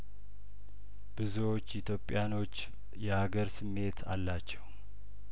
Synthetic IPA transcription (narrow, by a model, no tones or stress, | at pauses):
b̥ɨzuwo̞t͡ʃːit̪ʰjo̞pʼːijano̞t͡ʃː | jɛhaɡəɾsɨmːe̞t̪ʰa̰lːat͡ʃːɛw